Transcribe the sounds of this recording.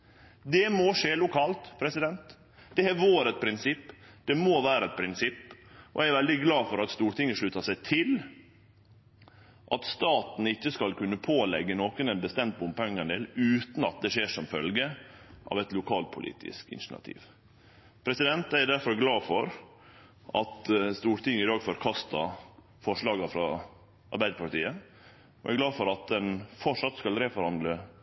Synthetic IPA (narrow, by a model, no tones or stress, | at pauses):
d̪ɛmoːʂeːlʊkʰɑːlt̪pʰɾɛsɪd̪ɛnt̪ | d̪ɛæɾʋoːɾɛt̪̚pʰɾɪnsɪpːd̪̥ɛmoːʋæːɾəɛt̪̚pʰɾɪnsɪpːʔɔ̰ʔæɪæɾʋɛld̪ɪɡlɑːfɔɾɑt̪st̪uːɾʈɪŋːəʂɭʉːt̪ɑʂæɪt̪ʰɪl | ʔɑt̪st̪ɑːt̪n̩ɪçːəskɑlkʉnːəpʰoːlɛ̰ɡːənoːkənɛnbəst̪ɛmt̪̚bʊmpɛŋːɑnd̪eːlʉːt̪n̩ɑt̪̚d̪ɛʂeːʂɔmfœ̰lɡəʔɑ̰ʋɛt̪lʊkʰɑːlpʰʊlʔḭːt̪ʰɪ̰skɪ̰nʃnɑ̰t̪ʰḭːʋ | pʰɾɛsɪd̪ɛnt̪æɾɖ̪æɾfɔɾɡlɑːfɔɾ | ʔɑt̪st̪uːɾt̪ʰɪŋɪd̪ɑːɡfɔɾkʰɑst̪ɑ | fɔʂlɑːɡɑfɾɑ | ʔɑ̰ɾbæɪd̪əpʰɑʈḭːə | oʔæ̰ɾɡlɑːfɔɾɑt̪̚d̪ɛnfɔʂɑt̪skɑlɾefɔɾhɑnd̪lə